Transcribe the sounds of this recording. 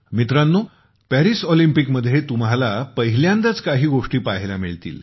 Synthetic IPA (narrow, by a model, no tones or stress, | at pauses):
mit̪ɾãnːu | pæɾisɔlimpikməd̪ʱːjet̪um̤ɦalapəɦiljãnd̪at͡skaɦiːɡoʂʈiːpaɦelamiɭt̪ḭːl